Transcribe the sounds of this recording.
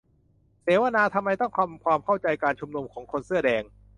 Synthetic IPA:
seː˨˩˦wa˧naː˧t̪ʰa˧mːa˧jt̪ɔ˥˩ŋkʰa˧mkʰwaː˧mkʰa˥˩wt͡ɕa˧jkaː˧nt͡ɕʰu˧mnu˧mkʰɔː˩˦ŋkʰo˧nsɯ˥˩ɐdɛː˧ŋ

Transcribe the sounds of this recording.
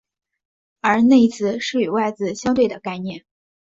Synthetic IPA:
ə˞˧˥ne˥˩ɪi˧˥t͡sʰɹ̩˥˧ʂɻ̩˥˩i˨˩wa˥˧ɪt͡sɹ̩˥˩ɕjɑ˥ŋt̪̬we˥˩ɪd̪ə˩ka˥˧ɪnjɛ˥˩n

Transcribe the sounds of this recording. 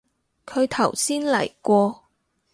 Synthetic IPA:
kʰɵ˨˧ɥt̪ʰɐ˨˩wsiː˥nlɐ̰˨˩jkʷɔː˧

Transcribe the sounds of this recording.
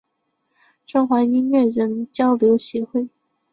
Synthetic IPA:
ʈ͡ʂʊ˥ŋxwa˧˥i˥nɥɛ˥˩ɻə˧˥nt͡ɕjɑ˥ʊljo˧˥ʊɕɛ˧˥xwe˥˩ɪ

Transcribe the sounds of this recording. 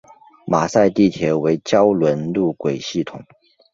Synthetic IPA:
ma˨˩sa˥˧ɪt̪i˥˩t̪ʰjɛ˧˥we˧˥ɪt͡ɕjɑ˥ʊlwə˧˥nlu˥˩kwe˨˩ɪɕi˥˩t̪ʰʊ˨˩˦ŋ

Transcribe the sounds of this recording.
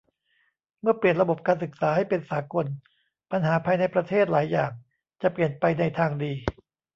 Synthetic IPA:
mɯ˥˩ɐpli˨˩ənɾa˧bo˨˩p̚kaː˧nsɯ˨˩k̚saː˩˦ɦa˥˩jpe˧nsaː˩˦ko˧n | pa˧nɦaː˩˦pʰaː˧jna˧jpɾa˧t̪ʰeː˥˩t̪̚laː˩˦jːaː˨˩ŋ | t͡ɕa˨˩pli˨˩ənpa˧jna˧jt̪ʰaː˧ŋdiː˧

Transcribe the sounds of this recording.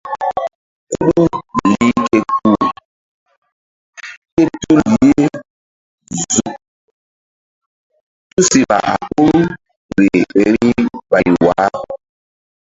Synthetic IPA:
ku˦ɗu˦˨li˦ke˦ku˦˨ | ke˦tu˦li˨˦e˦ | zu˨ | tu˦si˨ɓa̰˨ʔa˨ku˦ɾu˦ | ɾe˨e˨ɾi˦ɓa˨i˨wa˨˦

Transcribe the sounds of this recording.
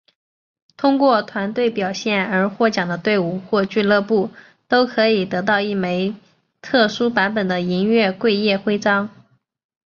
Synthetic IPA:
t̪ʰʊ˥ŋkwɔ˥˩t̪ʰwa˧˥nt̪we˥˩ɪpjɑ˨˩ʊɕjɛ˥˩nə˞˧˥xwɔ˥˩t͡ɕjɑ˨˩ŋd̪ə˦t̪we˥˧ɪu˥˩xwɔ˥˧t͡ɕy˥˧lɤ˥˧pu˥˩ | t̪o˥ʊkʰɤ˧˥i˨˩t̪ɤ˧˥t̪̬ɑ˥˧ʊi˥˩me˧˥ɪ | t̪ʰɤ˥˩ʂu˥pa˧˥npə˨˩nd̪ə˦i˧˥ŋɥɛ˥˧kwe˥˧ɪjɛ˥˩xwe˥ɪʈ͡ʂɑ˥ŋ

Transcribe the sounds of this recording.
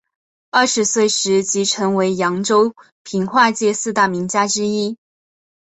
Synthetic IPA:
ə˥˩ʂɻ̩˧˥swe˥˩ɪʂɻ̩˧˥t͡ɕi˧˥ʈ͡ʂʰɤ˧˥ŋwe˧˥ɪjɑ˧˥ŋʈ͡ʂo˥ʊ | pʰi˧˥ŋxwa˥˧t͡ɕjɛ˥˧sɹ̩˥˧t̪a˥˩mi˧˥ŋt͡ɕja˥ʈ͡ʂɻ̩˥i˥

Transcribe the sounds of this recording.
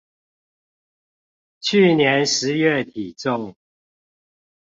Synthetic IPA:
t͡ɕʰy˥˨njɛ˨˧˦nʂɻ̩˨˦ɥɛ˥˨t̪ʰi˨˩t͡sʊ˥˨ŋ

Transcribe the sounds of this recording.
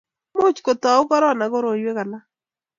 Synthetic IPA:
mo˦t͡ʃko˨tɔ˨o˦kɔ˦ɾɔ˦na˨ɣo˦ɾo˨jwe˦ɣa˨la˦

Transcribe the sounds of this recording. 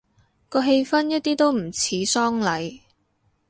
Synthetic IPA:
kɔː˧ɦe˧jfɐ˥njɐ˥t̚t̪iː˥t̪o˥wm̩˨˩t͡sʰiː˨˥sɔː˥ŋlɐ˨˧j

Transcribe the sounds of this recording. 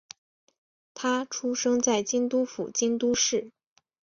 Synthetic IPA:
t̪ʰa˥ʈ͡ʂʰu˥ʂɤ˥ŋt͡sa˥˩ɪt͡ɕi˥ŋt̪u˥fṵ˨˩t͡ɕi˥nt̪u˥ʂɻ̩˥˩

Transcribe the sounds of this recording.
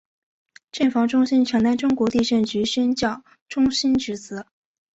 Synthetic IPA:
ʈ͡ʂə˥˩fɑ˧˥ŋʈ͡ʂʊ˥ŋɕi˥nʈ͡ʂʰɤ˧˥ŋt̪a˥nʈ͡ʂʊ˥ŋkwɔ˧˥t̪i˥˧ɕɛ˥˩nt͡ɕy˧˥ɕɛ˥nt͡ɕjɑ˥˩ʊ | ʈ͡ʂʊ˥ŋɕi˥nʈ͡ʂ̩˧˥t͡sɹ̩˧˥

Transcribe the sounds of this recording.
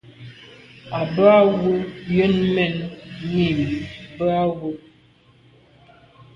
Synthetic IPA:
a˨bə˦a˦wu˦jə˦nmɛ˨nmi˦˨m˨bə˦a˦wu˦

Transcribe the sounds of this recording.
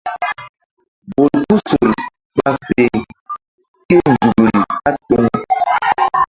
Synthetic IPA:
bo˨lku˦so˨ɾi˨ | k͡pa˦fe˨ŋ | ke˦n̩˨d͡zu˨ɡɾi˨a˦tɔ˦ŋ

